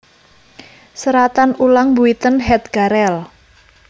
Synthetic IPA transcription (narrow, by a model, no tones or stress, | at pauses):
səɾat̪anulaŋbuit̪ənɦɛt̪̚ɡ̥aɾɛl